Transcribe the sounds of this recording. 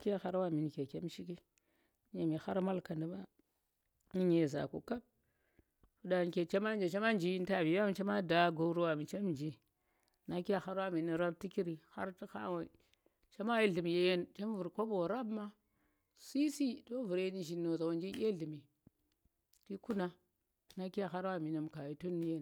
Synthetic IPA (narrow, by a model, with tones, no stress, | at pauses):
ki˦ja˦xa˦ɾwa˦˨mi˨n˨ke˨kʲe˦m˦ʃi˦ki˦ | ɲa˨mi˨xa˦ɾma˦lka˨nda˨ma˦ | i˦ɲe˨za̰˨ko̰˨ka˦b̚ | fu˦da˨n˨kʲe˨t͡ʃa˦ma˦nd͡ʒa˨t͡ʃa˦ma˦nd͡ʒi˨˦n˦ta˨bi˨ja˦m˨t͡ʃa˦ma˦da˨ɡo˨˦ɾu˦wa˨mi˨t͡ʃe˦mnd͡ʒi˨ | na˦ki˦a˦xa˦ɾwa˦mi˨ni˨ɾa˦b̚ti˦ki˦ɾi˨ha̰˦ɾti˦xa̰˦wa˨ | t͡ʃa˦ma˦i˦ɮi˨mi˨je˦je˦nt͡ʃa˦mvu˨ɾko˦bo˨ɾa˦bma˦ | si˦si˦do˦vu˨ɾni˦ʒi˨nːo˨za˨wa˨nd͡ʒi˦ɡʲe˦ɮi˨mi˨ | ti˦ku˦na˦ | na˦ki˦a˦˨xa˦ɾwa˦˨mi˨na˨mka˨ji˦tu˦nːi˦je˦n